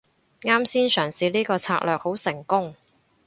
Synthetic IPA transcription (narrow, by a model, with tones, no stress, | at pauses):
ŋaː˥msiː˥nsœː˨˩ŋsiː˨˧liː˥kɔː˧t͡sʰa̰ː˧˥k̚lœː˨k̚ho˨˥wsɪ˨˩ŋkʊ˥ŋ